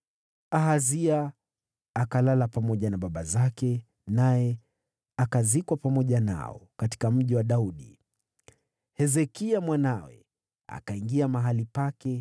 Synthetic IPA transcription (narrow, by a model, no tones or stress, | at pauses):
aɦaziaː | kalalapamɔʄanaɓaɓazakɛ | najɛ | akazikwapamɔʄana̰ɔ̰kati̥kam̩ʄiwaɗauɗḭ | hɛzɛkiamwanawɛ̰ | a̰kaiŋɡiamaɦalipakɛ